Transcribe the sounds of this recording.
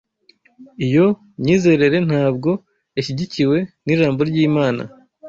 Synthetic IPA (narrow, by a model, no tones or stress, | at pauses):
ijo̞ | ɲiːze̞ɾe̞ɾe̞n̥haːb̚ɡo̞ | içiɟiciwe̞niʒaːmbo̞ɾɟiːmaːna̰